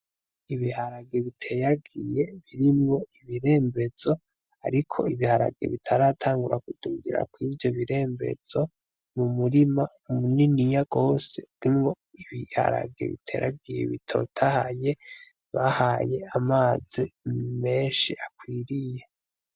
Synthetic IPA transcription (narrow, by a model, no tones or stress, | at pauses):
iβihaɾaɡe̞βitʰe̞jaɡije̞βiɾimŋo̞iβiɾe̞ːmbe̞z̥o̞ | a̰ɾikʰo̞̰iβihaɾa̰ɡe̞̰βitʰaɾaːtʰaːŋɡuɾakuduŋɡiɾa̰kwiːvjo̞βiɾe̞ːmbe̞̰z̥o̞ | mumuɾima | umuninijaɡo̞ːse̞̰iɾimŋo̞ | iβiha̰ɾa̰ɡe̞̰βḭtʰe̞̰ɾaɡije̞̰βitʰo̞̰tʰahaje̞ | βahaje̞amaːzime̞ːnʃiʔakwiːɾije̞